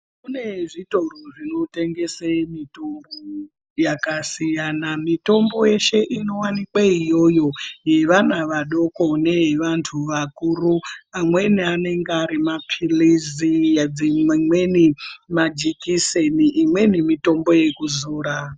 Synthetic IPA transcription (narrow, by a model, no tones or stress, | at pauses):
kune̞ʐito̞roʐino̞te̞ŋɡe̞semito̞mbo | jakasijanamito̞mbo̞je̞ʃe̞ʔino̞wanikwaijo̞jo̞je̞ʋanaʋaɗo̞ko̞ne̞ʋantʰuʋakuruamwe̞niane̞ŋɡaɾimapʰilizijad͡zimmwe̞nimad͡ʒikiseniʔːmwe̞nimito̞mbo̞je̞kuzuːɾa